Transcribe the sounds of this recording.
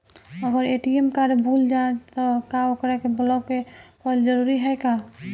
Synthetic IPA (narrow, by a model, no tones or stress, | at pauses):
əɡəɾeʈiemkaɾebʱuːld͡ʒaet̪ɔkaokɾɛkebəlɔɡekɔld͡ʒəɾuɾiɦɛka